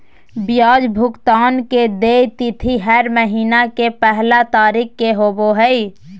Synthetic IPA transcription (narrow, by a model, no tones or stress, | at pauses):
bjaːd͡ʒbʱʊkt̪aːnked̪eːt̪ɪt̪ʰiɦɛɾməɦiːnakepɛɦlat̪aːɾikkːeɦoːboɦəi